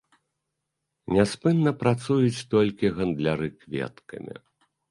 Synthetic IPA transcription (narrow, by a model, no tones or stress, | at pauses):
nʲaspɨnːɐpɾat̪sujut͡sʲt̪ɔlʲkʲiɣɐnd̪lʲaɾɨkvʲɛ̰t̪kɐ̰mʲḭ